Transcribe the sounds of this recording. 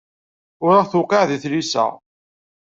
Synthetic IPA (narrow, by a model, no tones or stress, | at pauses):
ʊɾaʁθʊqɑʕðiθlisæ̰ʁ